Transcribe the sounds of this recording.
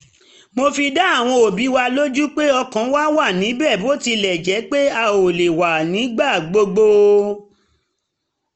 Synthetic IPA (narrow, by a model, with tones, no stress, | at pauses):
mo˧fi˧da˦a˦˨w̃ɔ̃˧o˨bi˨˦wa˧lo˦d͡ʒu˦k͡pe˦ɔ˧kã˨˦wa˦wa˦˨nĩ˨˦bɛ˦˨bo˦ti˧lɛ˨d͡ʒɛ˨˦k͡pe˦a˧o˨le˨wa˨nĩ˨˦ɡ͡ba˦˨ɡ͡bo˧ɡ͡bo˧